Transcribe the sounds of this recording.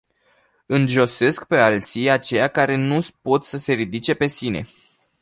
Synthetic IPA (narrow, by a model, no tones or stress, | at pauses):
ɨnʒo̞se̞skpe̞alt̪siat͡ʃe̞jakaɾe̞nupo̞t̪səse̞ɾid̪it͡ʃe̞pe̞sine̞̰